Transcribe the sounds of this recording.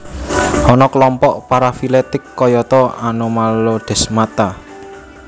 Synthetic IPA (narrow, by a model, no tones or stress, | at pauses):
hɔnɔkəlɔmpɔʔpaɾafilet̪ɪkːɔjɔt̪ɔanomalod̪̥ɛ̤smat̪a